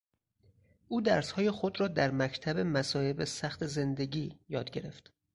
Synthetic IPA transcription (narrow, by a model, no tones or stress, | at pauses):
ʔuːd̪æɾshɒːje̞xo̞d̪ɾɒːd̪æɾmæcʰt̪ʰæbe̞mæsɒːhe̞besæxt̪ʰe̞ze̞nd̪e̞ɟiːjɒːd̪ɟe̞ɾe̞ft̪